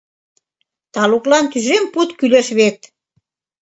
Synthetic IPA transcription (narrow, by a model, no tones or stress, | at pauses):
t̪ɑluklɑnt̪yʒemput̪kyleʃβet̪̚